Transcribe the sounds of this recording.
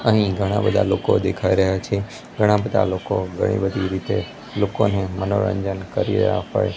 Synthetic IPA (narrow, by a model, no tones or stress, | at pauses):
əɦĩɡʱəɽ̃ã̰bəd̪ʱaloːkod̪ekʰaiɾəɦjat͡ʃʰe | ɡʱəɽ̃ãbəd̪ʱa̰lokoɡʱəɽ̃ḭbəd̪ʱiɾit̪e | loːkonemənoɭə̰̃nd͡ʒənkəɾḭɾə̰ja̰ɦə̰je